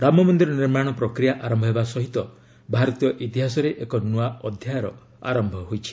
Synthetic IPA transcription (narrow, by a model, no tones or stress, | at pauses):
ɾamɔmɔnd̪iɾɔniɾmaɽ̃ɔpɾɔkɾijaʔaɾɔmbʱɔɦebasɔɦit̪ɔ | bʱaɾɔt̪ijɔʔit̪iɦasɔɾeʔekɔnuaɔd̪ʱjajaɾɔ | a̰ɾɔmbʱɔɦojt͡ʃʰi̥